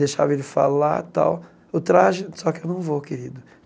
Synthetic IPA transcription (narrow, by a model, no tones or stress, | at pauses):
eʃavɐelɪfa̰la̰t̪a̰w | ot̪ɾaʒɪsɔkɪewnɐ̃w̃vokeɾid̪ʊ